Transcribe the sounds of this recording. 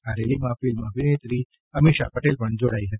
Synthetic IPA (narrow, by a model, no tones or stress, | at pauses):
aɾelimãfilmaʋinet̪ɾi | əmiʃa̰pəʈelpəɳd͡ʒoɽaiɦət̪i̥